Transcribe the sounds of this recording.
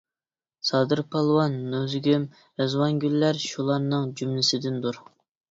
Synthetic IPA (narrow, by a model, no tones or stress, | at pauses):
sɑːd̪ɨɾpʰɑlˠwɑnːøzɡʲym | ezwɑnɡʲylːæɾʃulˠɑɾnɨŋd͡ʒymlɪsɪd̪ɪnd̪uɾ